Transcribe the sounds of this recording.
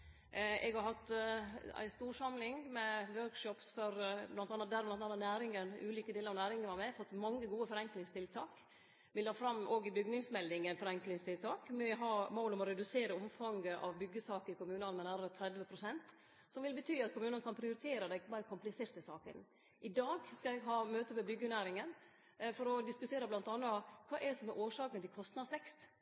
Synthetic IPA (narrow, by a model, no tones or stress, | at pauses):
ɛ̰ɡhɑɾhɑt̪ː | æ̰ɪst̪uːʂɑmlɪŋmɛʋøːɾkʂɔpsfɔɾblɑnt̪ɑnːət̪̚d̪æːɾʋmlɑɑnːənæːɾɪŋənʉːliːkəd̪eːləɾɑʋnæːɾɪŋənʋɑmɛfɔt̪ːmɑŋːəɡuːəfɔɾɛŋklɪŋst̪ʰɪlt̪ʰɑːk | mɪlɑːfɾɑmʔoːɡɪbʏɡnɪŋsmɛlːɪŋənfɔɾɛŋklɪŋst̪ʰɪlt̪ʰɑːkmɛɦɑːmoːlɔmɔɾɛd̪ʉseːɾəɔmfɑŋɡəʔɑʋbʏɡːəsɑːkəɾɪkʊmʉːnɑnmɛnæːɾəɾət̪ʰɾɛd̪ʋəpʰɾʊsɛnt̪ | sɔmʋɪlbət̪ʰyːɑt̪̚kʰʊmʉːnənəkʰɑnpʰɾɪʊɾɪt̪ʰeːɾəd̪æɪbɑːɾəkʰʊmplɪseːɾt̪əsɑːkə̰n | ʔɪd̪ɑːɡskɑɛɡɦɑːmøːt̪əmɛbʏɡːənæːɾɪŋən | fɔɾɔd̪ɪskʉt̪ʰeːɾəblɑnt̪ɑnːəkʰʋɑːʔɛdsɔmɛʔoːʂɑːkənt̪ʰɪlkʰɔst̪nɑd̪sʋɛkst̪